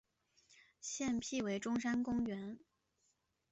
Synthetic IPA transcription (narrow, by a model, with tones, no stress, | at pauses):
ɕjɛ˥˧npʰi˥˩we˧˥ɪʈ͡ʂʊ˥ŋʂa˥nkʊ˥ŋɥɛ˧˥n